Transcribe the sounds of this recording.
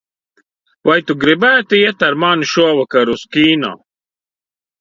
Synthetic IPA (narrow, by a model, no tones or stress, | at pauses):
wɐjt̪uɡɾibæːt̪ijɐt̪ɐɾmaːnʃuɐwɐkɐɾuskiːna̰